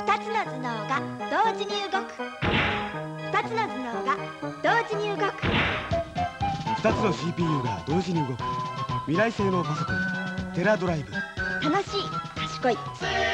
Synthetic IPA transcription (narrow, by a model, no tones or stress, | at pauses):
ɸɯ̟̥t̪at͡sɨno̞d͡zɨnoːɡad̪̥o̞ːʑiɲ̟iɯ̟ɡo̞kɯ̟̥ | ɸɯ̥t̪at͡sɨno̞d͡zɨno̞ːɡad̪̥o̞ːʑiɲ̟iɯ̟ɡo̞kɯ̟̥ | ɸɯ̥t̪at͡sɨno̞ɕiːpʲiːjɯ̟ːɡa̰d̪o̞ːʑiɲ̟iɯɡo̞kɯ̟mʲiɾaise̞ːno̞ːkaso̞kõɲt̪e̞ɾad̪o̞ɾaibɯ̟t̪ano̞ɕiːkaɕi̥ko̞i